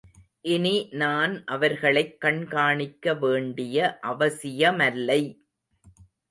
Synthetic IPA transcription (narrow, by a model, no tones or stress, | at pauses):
ʔɪninaːnʔɐʋɐɾɣɐɭɐɪkːɐɳkaːɳɪkːɐʋeːɳɖɪjɐʔɐʋɐsɪjɐmɐlːɐɪ